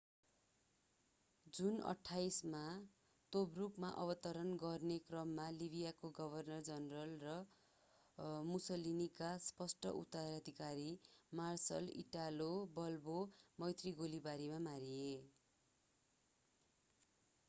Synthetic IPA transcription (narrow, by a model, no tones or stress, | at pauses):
d͡zunʌ̰ʈʰːajsma | t̪obrukmaʔʌβʌt̪ʌɾʌnɡʌrnekrʌmːalibʱijakoɡʌbʱʌrnʌrd͡zʌnrʌlrʌ | musʌlinikaspʌsʈʌ̰ʔṵt̪aɾad̪ʱikaɾimarsʌ̰lḭʈalobʌlbomʌjt̪riɡolibaɾimamaɾie